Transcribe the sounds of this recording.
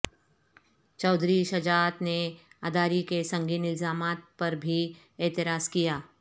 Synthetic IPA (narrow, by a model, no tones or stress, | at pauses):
t͡ʃɔːd̪ʱɾiʃɐd͡ʒaːt̪nead̪aːɾikesɐ̃ŋɡiːnɪlzaːmaːt̪̚pɐɾbʱi | ɛːt̪ɪɾaːskijaː